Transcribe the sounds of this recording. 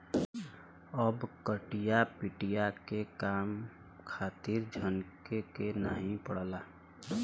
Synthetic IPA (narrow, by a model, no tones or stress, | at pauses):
əbkəʈijapiʈijakekaːm | kʰaːt̪ɪɾd͡ʒʱənkekenaːɦĩpəɽlaː